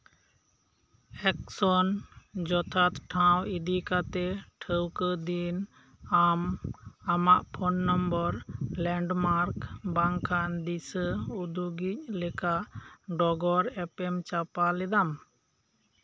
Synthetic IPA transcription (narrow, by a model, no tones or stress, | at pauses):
ɛksɔnd͡ʒɔt̪ʰat̪ʈʰãwid̪ikat̪ɛʈʰəwkəd̪in | amamaʔpʰɔnːɔmbɔɾlɛɳɖmaɾkbaŋkʰand̪isəud̪uɡic̚lɛkaʔɖɔɡɔɾɛpɛmt͡ʃapalɛd̪am